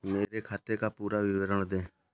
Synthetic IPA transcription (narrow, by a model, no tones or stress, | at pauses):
meːɾekʰaːt̪ekaːpuːɾaʋɪʋəɾəɳ̃d̪ẽː